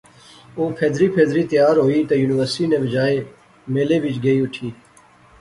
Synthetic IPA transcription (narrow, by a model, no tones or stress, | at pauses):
oːpʰeːd̪ɾiːpʰeːd̪ɾiːt̪ɪjaːɾɦoːiːt̪ɐjuːnɪʋəɾsʈiːnẽːbɪd͡ʒaːeː | meːleːʋɪt͡ʃɡəiːʊʈʰiː